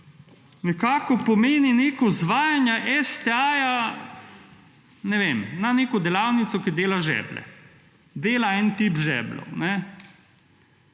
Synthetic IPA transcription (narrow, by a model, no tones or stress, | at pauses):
nɛkaːkɔpɔmeːnineːkɔzʋaːjanjaʔɛst̪ɛaja | nɛʋemnaneːkɔd̪ɛlaːwnit̪sɔkid̪eːlaʒɛ̰ːblɛ̰ | d̪eːlaɛnt̪ipʒɛ̰ːblɔ̰nɛ